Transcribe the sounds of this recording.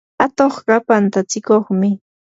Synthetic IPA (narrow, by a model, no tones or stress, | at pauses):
at̪oχɢɑpant̪at͡sɪkoχmɪ